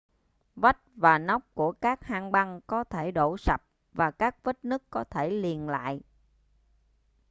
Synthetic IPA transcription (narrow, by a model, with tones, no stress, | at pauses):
və˦˥t̚vaː˨˩na˦˥wk͡p̚ku˧˩əkaː˦˥k̚haː˧ŋɓa˧ŋkɔ˨˦t̪ʰe˧˩ɗo˧˩sa˨˩p̚ | vaː˨˩kaː˦˥k̚və˦˥t̚nɨ˦˥əkːɔ˨˦t̪ʰe˧˩li˨˩ənla̰ː˧˨jʔ